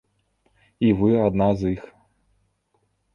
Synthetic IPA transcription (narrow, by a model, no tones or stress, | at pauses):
ivɨad̪nazix